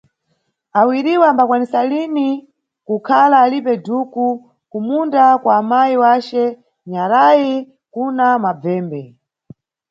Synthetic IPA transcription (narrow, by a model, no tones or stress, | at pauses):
awiɾiwaːmbakwanisalini | kukʰalaːlipɛduku | kumundakwaːmajiwat͡ʃɛ | ɲaɾaji | kunamab͡vɛːmbɛ